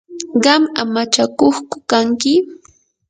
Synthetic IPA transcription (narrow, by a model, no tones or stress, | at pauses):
ɢɑmamat͡ʃakoχkʊ̥kaŋkɪ